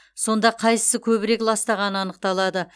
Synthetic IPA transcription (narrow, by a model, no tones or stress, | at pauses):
so̞nd̪ɑqʰɑjsə̥səkʲʰɵβɪɾe̞klˠɑst̪ɑʁɑnəɑnəq̚t̪ɑlˠɑd̪ə